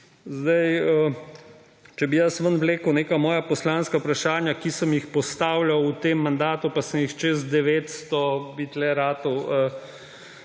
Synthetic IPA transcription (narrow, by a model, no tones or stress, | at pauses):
zd̪ɐjə | t͡ʃɛbijəsʋənʋleːkəwneːkamɔːjapɔslanskapɾaʃaːnjakisəmjixpɔst̪aːwlawut̪emːand̪aːt̪upasəmjixt͡ʃezd̪ɛʋeːt̪st̪ɔbit̪lɛɾaːt̪ɔwə